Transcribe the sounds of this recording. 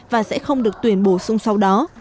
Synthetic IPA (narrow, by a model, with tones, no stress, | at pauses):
vaː˨˩sɛ̰˧˥xə˧wŋ͡mɗɨ˨˩ək̚t̪wi˧˩ənɓo˧˩sʊ˧ŋ͡msa˧wɗɔ˨˦